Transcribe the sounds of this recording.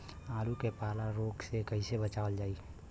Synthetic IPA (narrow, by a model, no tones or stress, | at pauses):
aːlukepaːlaɾoːɡsekəɦɪsebət͡ʃaʋəld͡ʒaːi